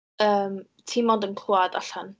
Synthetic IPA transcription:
əːm | tʰimɔdənkʰluadaɬan

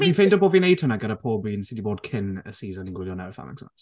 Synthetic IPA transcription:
ĩnfẽndəpɔviɪnejtʰənaɡɛɾəpʰɔːbiɪ̃nsɪdibɔd̚kʰɪnə̰siːzə̃nɪ̃nɡwɪljɔnawfa̰mɪ̰ksna̰s

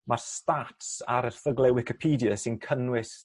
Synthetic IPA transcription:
marstatsaɾərθəɡlɛwɪkɪpʰiːdjəsɪnkʰənwɪs

